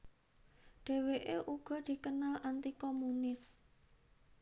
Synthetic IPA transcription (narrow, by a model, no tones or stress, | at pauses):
ɖ̥e̤weʔeʔuɡ̥ɔ̤d̪̥i̤kənalant̪ikɔmunɪs